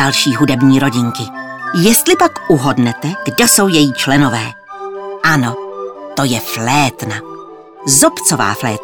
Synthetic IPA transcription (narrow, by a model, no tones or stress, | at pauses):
alʃiːɦudɛbɲiːɾoɟɪŋkɪjɛst̪lɪpakʔuɦo̞dnɛt̪ɛɡ̥dɛso̞wjɛjiːt͡ʃlɛno̞vɛː | ʔano̞t̪o̞jɛflɛːt̪na | zopt͡sova̰ːflɛːt̪